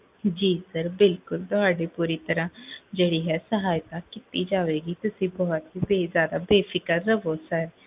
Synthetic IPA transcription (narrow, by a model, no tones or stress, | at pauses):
d͡ʒiːsəɾbɪlkʊlt̪ʊɦaːɖeːpuːɾiːt̪əɾãːd͡ʒeːɽiːɦɛːsəɦaːjt̪aːkɪt̪iːd͡ʒaːʋeːɡiːt̪ʊsĩːbɔːt̪ɦiːbeːzjaːd̪aːbeːpʰɪkəɾːəʋoːsəɾ